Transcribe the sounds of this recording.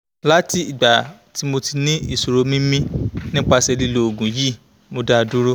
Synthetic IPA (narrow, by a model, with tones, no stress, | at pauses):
la˦ti˦i˨ɡ͡ba˨ti˨˦mo˧ti˧nĩ˦i˨so˨ɾo˧mĩ˦mĩ˦nĩ˦k͡pa˧sɛ˧li˧lo˧o˨ɡũ˨ji˦˨ | mo˧da˦˧˨du˦ɾo˦